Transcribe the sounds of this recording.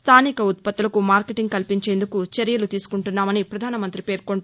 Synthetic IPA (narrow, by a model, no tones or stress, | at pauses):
st̪ʰaːnikɐut̪̚pɐt̪ːulɐkumaːɾkeʈiŋɡkɐlpiɲt͡ʃe̞ːnd̪ukut͡ʃeɾjɐlut̪iːsu̥kuɳʈunːaːmɐnipɾɐd̪ʱaːnɐmɐnt̪ɾipe̞ːɾkoɳʈː